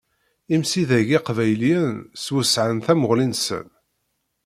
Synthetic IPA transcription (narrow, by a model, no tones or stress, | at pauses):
imsiðæʝɪqvæjliənswəsʕənθæməʁlinsə̰n